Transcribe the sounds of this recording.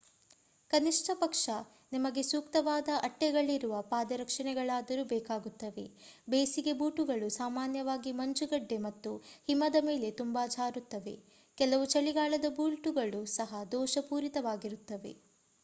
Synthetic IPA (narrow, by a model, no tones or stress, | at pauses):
kɐniʂʈʰɐpɐkʂɐ | nimɐɡe̞suːkt̪ɐʋaːd̪ɐʔɐʈːɛɡɐɭːiɾuʋɐpaːd̪ɐɾɐkʂɐɳɛɡɐɭaːd̪ɐɾubɛːkaːɡut̪ːɐʋe̞̰beːsiɡe̞buːʈuɡɐɭusaːmaːnjɐʋaːɡimɐɲt͡ʃuɡɐɖːe̞mɐt̪ːuhimɐd̪ɐme̞ːle̞t̪umbaːd͡ʒʱaːɾut̪ːɐʋe̞̰ | kɛlɐʋut͡ʃɐɭiɡaːɭɐd̪ɐbuːlʈuɡɐɭusɐɦɐd̪ɔːʃɐpuːɾit̪ɐʋaːɡiɾut̪ːɐʋe̞̰